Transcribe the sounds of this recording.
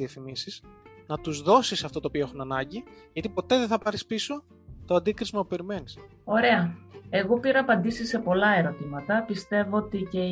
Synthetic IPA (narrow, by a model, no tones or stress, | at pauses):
iefθimisiz̥nɐt̪uzðo̞sisɐft̪o̞t̪oːpio̞e̞xunɐnɐɲɟiʝɐt̪ipo̞t̪e̞ðeθɐpɐɾispiso̞ | t̪oɐnd̪ikɾizmɐpupe̞ɾime̞nis | o̞ɾe̞ɐe̞ɣo̞piɾɐːpɐnd̪isisːe̞po̞lɐe̞ɾo̞t̪imɐt̪ɐpist̪e̞voot̪ice